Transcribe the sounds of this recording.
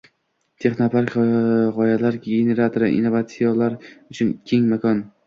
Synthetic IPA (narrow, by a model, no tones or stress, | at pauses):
t̪ʰe̞χnapʰaɾkʲʁɒjalaɾɡʲene̞ɾat̪ʰoɾa̰ʔḭnːovat̪sijalaɾʊt͡ʃʰʊnkʲʰeŋmakʰɒn